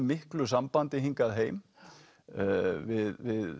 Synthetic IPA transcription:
mɪhklʏsampant̪ɪɦiŋkaðɦeːjm | vɪðvɪð

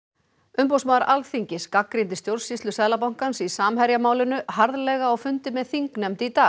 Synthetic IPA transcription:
ʏmpowsmaːðɾʔalθiɲcɪskakːɾint̪ɪst̪jowɾsːist̪lʏsɛːðlap̬awŋ̥kansisaːmhɛɾjamaːwlʏnʏɦaɾðlɛɣaːwfʏnt̪ɪmɛðθiŋknɛmt̪ɪit̪aː

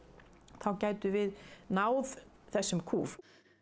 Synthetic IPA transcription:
θawcaːjt̪ʏvɪðnaːwð | θɛsːʏmkʰuːf

